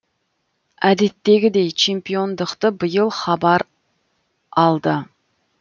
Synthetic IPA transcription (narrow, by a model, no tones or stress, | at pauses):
ɛd̪ɪt̪ːeɡʲɪd̪ɛjt͡ʃʰempijond̪əqt̪ɨbɨjɨlˠχɑbɑɾ | ɑlˠd̪ɨ